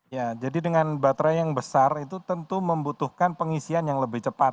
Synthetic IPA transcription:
jad͡ʒadidəŋanbat̪ɾajaŋbəsarit̪ut̪ənt̪uməmbut̪uhkanpəŋisianjaŋləbɪht͡ʃəpat̪̚

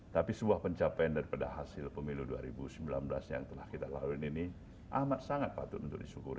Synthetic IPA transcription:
t̪apisəbuahpəɲt͡ʃapajandaɾipada̰ɦasɪlpəmiludua̰ɾibusəmbilanbəlasja̰ŋt̪əlahkit̪ala̰luinini | ʔamat̪̚saŋat̪̚pat̪ʊt̪unt̪ʊk̚disukuɾ

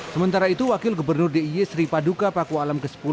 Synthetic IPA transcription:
səmənt̪aɾait̪uwakɪlɡubərnʊrdeiesɾipadukapakualamkəsə̥pu

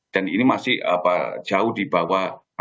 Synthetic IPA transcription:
d̥aninimasɪha̰pad͡ʒaʊhdibawa

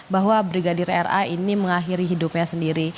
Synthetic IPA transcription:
baɦwabɾiɡadiɾɛra̰iniməŋaɦiɾiɦidupɲasəndiɾi

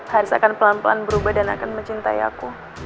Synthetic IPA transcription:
haɾʊsakanpəlanpəla̰nbəɾubahdana̰kanməɲt͡ʃint̪aia̰ku

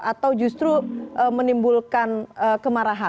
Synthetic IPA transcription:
ʔat̪awd͡ʒust̪ɾuʔəmənimbulkanəkəmaɾaɦa

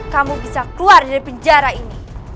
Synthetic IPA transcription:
kamubisakluardaɾibəɲd͡ʒaɾaini

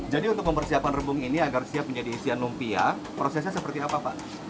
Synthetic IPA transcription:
d͡ʒadiunt̪ʊk̚məmpərsiapanrəbʊŋiniaɡarsiapməɲd͡ʒadiːsianlumpia | pɾosɛs̬ɲasəpərt̪iapaːpa̰

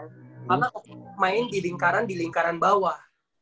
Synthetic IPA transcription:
panaʔɔk̚maɪndiliŋkaɾandiliŋkaɾanbawa

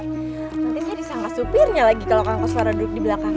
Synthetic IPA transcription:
tasd͡ʒadisaŋat̪supɪrɲalaɡikalokaaŋkəsuaɾaduɾʊk̚dibəlakaŋ

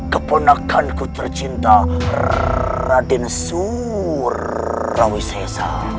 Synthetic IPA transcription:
kəpənakʰankut̪ərt͡ʃint̪a | radɪnsu | rː | awisɛsa̰

